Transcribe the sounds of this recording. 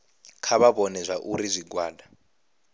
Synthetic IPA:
kʰaβaβɔnɛzʷaʔuɾizʷiɡwaːda

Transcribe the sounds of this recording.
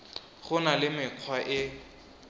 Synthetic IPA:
χʊnalɪmɪq͡χʰwaʔɪ

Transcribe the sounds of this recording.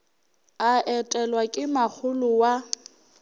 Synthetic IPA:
aʔɛtʼɛlwakʼɪmak͡xʰʊlʊwa

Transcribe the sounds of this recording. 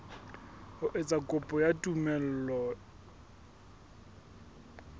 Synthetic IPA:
hʊʔet͡sʼakʼʊpʼɔjatʼumɛl̩ːlɔ

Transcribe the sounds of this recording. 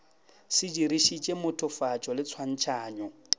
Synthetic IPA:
sɪd͡ʒiɾiʃit͡ʃʼemʊtʰʊfat͡ʃʼɔlɪt͡sʰwan̩t͡ʃʰaːɲɔ

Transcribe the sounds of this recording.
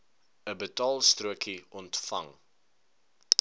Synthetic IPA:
əbətɑːlˠstruəkiɔntfɐ̰ŋ

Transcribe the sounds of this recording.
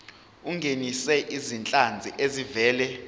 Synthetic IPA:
uŋɡʱenisɛʔizint͡ɬʼand͡zʱiʔezivɛːlɛ

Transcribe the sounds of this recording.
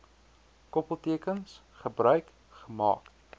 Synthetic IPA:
kɔpəlˠtiəkəns | χəbrœɥk | χəmɑ̰ːk

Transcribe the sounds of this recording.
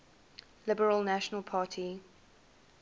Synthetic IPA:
lɪbəɹəlˠnaʃənəlˠpʰɑːˑtʰi

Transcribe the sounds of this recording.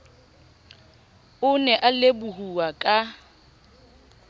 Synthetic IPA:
ʊnɛʔalebʊhuakʼa

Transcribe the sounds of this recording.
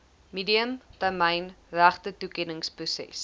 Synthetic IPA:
midiəmtærməjnræχtətukɛnəŋsprusɛ̰s

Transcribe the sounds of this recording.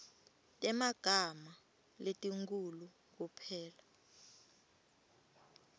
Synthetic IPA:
tʼɛmaɡ̥ʱama | letʼiŋkʼulu | k̬upʰɛːla

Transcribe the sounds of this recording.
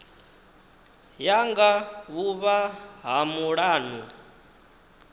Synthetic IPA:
jaŋɡaβuβaɦamuɺaːnu

